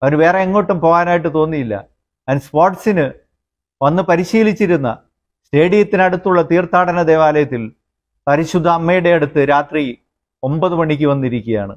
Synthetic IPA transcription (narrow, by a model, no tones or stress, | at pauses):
ɐʋɐnʋe̞ːreeŋːo̞ːʈːumpo̞ːɣaːnaːjiʈ̬ːɨt̪o̞ːnːijilːɐ̰ | ɐnspoːrʈsinɨ | ʋɐnːɨpɐɾiɕiːlit͡ɕːiɾunːɐ | ste̞ːɽijɐt̪ːinɐɽut̪ːuɭːɐt̪iːrt̪ʰaːɽɐnɐd̪e̞ːʋaːlɐjɐt̪ːil | pɐɾiɕud̪ʱːɐːmːɐjuɽe̞ɐɽut̪ːɨɾaːt̪ri | o̞mbɐðɨmɐɳːikʲːɨʋɐnːiɾikʲːuɐja̰ːɳɨ̰